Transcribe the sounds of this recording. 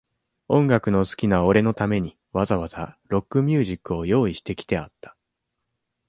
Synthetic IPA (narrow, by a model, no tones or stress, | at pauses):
õ̞ŋɡakɯ̟no̞sɨ̥kʲinao̞ɾe̞no̞t̪ame̞ɲ̟i | βazaβazaɾo̞kːɯ̟mʲjɨːʑikːɯ̟o̞jo̞ːiɕi̥t̪e̞kʲi̥t̪e̞a̰t̪ːḁ